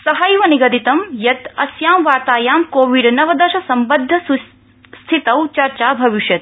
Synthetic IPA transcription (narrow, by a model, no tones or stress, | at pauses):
sɐɦɐjʋɐniɡɐd̪it̪ɐmjɐt̪ɐsjaːmʋaːɾt̪aːjaːmkoːʋiɖnɐʋɐd̪ɐʃɐsɐmbɐd̪ʱːɐs | st̪ʰit̪ɐwt͡ʃɐɾt͡ʃaːbʱɐʋiʃjɐt̪